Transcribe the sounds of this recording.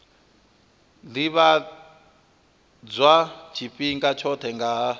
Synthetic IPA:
liβa | d͡zʷwat͡ʃʰipʼiŋkʼat͡ʃʰɔtʰɛŋɡa

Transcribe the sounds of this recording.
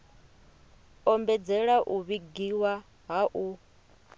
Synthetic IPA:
ɔmbɛd͡zɛɺaʔuβiɡiwa | ɦaʔu

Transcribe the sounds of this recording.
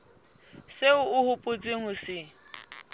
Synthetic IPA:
seʊʊhʊpʼʊt͡sʼɪŋʊsɪ

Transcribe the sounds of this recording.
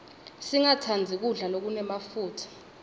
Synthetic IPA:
siŋatʰand͡zʱik̬uɮalok̬unɛmafuːtʰḁ

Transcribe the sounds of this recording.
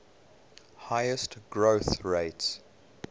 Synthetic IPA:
haɪəstɡ̥ɹoʊθɹeɪts

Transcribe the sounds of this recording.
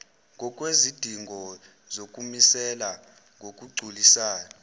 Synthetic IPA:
ŋʱɔkʼwezid̥ʱiŋɡʱɔ | zokʼumisɛla | ŋʱok̬ʼuɡ͡ǀʱulisaːnɔ

